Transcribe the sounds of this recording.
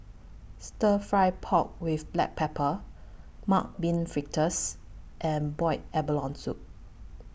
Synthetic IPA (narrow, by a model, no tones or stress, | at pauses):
stəfɹajpʰɔk̚wifblɛ̰k̚pʰɛpʰə | mak̚bĩnfɹik̚tʰəs | ʔɛ̃nbɔɪt̚ɛbəlɔ̃nsup̚